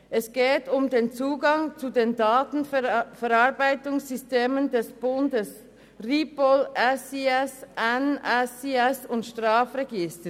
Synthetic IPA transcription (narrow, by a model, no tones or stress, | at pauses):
ʔɛsɡ̥ɛːtʰʊmdeːnt͡suːɡɑŋt͡sudeːndaːtn̩fɛɾɑʁbaɪtʊŋsːʏsteːməndɛsb̥ʊndəs | ʁiːpɔlʔɛsiɛsʔɛnɛsiɛsʊntʃtʁaːfrɛɡɪstə